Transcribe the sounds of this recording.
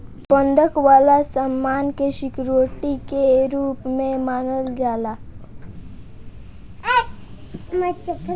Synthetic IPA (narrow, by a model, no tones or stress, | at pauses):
pə̃nd̪ʱəkwaːlasəmːaːnkeʃɪkɾuwəʈikeɾuːpmẽmaːnəld͡ʒaːlaː | mat͡ʃəp